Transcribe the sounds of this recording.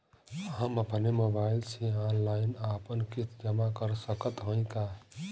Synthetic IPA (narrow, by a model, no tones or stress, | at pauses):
ɦãməpnemobailsʰiãnlainapənkit̪ʰd͡ʒəmakəɾsəkət̪ɦə̃k̪a